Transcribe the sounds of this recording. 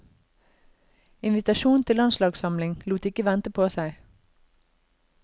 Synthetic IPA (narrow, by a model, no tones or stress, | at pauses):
ɪnʋɪt̪ɑʃuːn̩t̪ʰɪlːɑnslɑːɡsɑmlɪŋluːt̪ɪkəʋɛnt̪əpʰoːsæɪ